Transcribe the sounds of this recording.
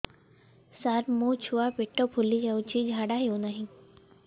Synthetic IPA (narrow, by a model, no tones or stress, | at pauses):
saɾmut͡ʃʰuapiʈːopʰulːid͡ʒaut͡ʃʰid͡ʒʱaɽaɦjonaɦĩ